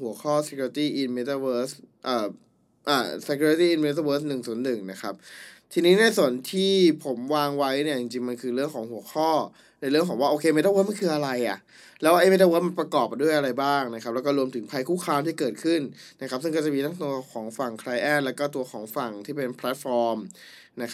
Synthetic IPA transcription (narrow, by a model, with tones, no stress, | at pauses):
hu˩˦ɐkʰɔː˥˩se˧kʰːɾi˧t̪iː˥˩ʔi˧nme˦˧˥t̪a˧wɤː˦˥sʔaː˨˩ | ʔaː˨˩se˧˩kʰuː˧ɾi˧t̪iː˥˩ʔi˧nme˦˥t̪̬a˧wɤː˦˥s̬nɯ˨˩ŋsu˨˩˦ənːɯ˨˩ŋna˦˥kʰa˦˥p̚t̪ʰiː˧niː˦˥na˧˩jsu˨˩˦ə˦nt̪ʰiː˥˩pʰo˩˦mwaː˧ŋwa˦˥jni˥˩ət͡ɕi˨˩ŋt͡ɕi˧ŋma˧nkʰɯː˧ɾɯ˥˩əŋkʰɔː˩˦ŋhu˩˦ɐxʰɔː˥˩ | na˧jlɯ˥˩əŋkʰɔː˩˦ŋwaː˥˩ʔoː˧kʰe˧me˦˥t̪a˧wɤ˦˥ma˥nkʰɯː˧ʔa˧ɾa˧jʔa̰˨˩ʔ | lɛː˦˥wʔa˧˩jme˦˥t̪a˧wɤː˦˥tma˧npɾa˧kɔː˨˩p̚du˥˩əjʔa˧ɾa˧jbaː˥˩ŋna˧˦kʰa˦˥p̚lɛ˦˥kɔː˥˩ɾu˧əmt̪ʰɯ˩˦ŋpʰa˧jkʰuː˥˩kʰaː˧mt̪ʰiː˥˩kɤː˨˩t̪̚kʰɯ˥˩nna˦˥kʰa˦˥p̚sɯ˥˩ŋkːɔ˥˩t͡ɕa˨˩miː˧t̪ʰa˦˥t̪u˧ɐkʰɔː˩˦ŋfa˨˩ŋkʰɾaː˧jʔɛː˥˩t̪̚lɛ˦˥wkɔː˥˩t̪̬u˧ɐxʰɔː˩˦ŋfa˨˩ŋt̪ʰiː˥˩pe˧npʰlɛ˦˥t̪̚fɔː˧m | na˦˥kʰ